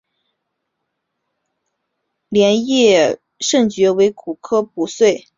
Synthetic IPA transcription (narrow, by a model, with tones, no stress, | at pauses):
ljɛ˧˥njɛ˥˩ | ʂɤ˥˩ŋt͡ɕɥɛ˧˥we˧˥ɪku˨˩kʰɤ˥p̚u˧˥swe˥˩ɪ